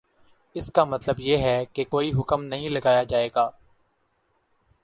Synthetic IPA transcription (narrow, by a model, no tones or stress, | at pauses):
ɪskamɐt̪ləbjeːɦɛkekoːiɦʊkəmnɐɦĩlɐɡaːjad͡ʒaːeːɡaː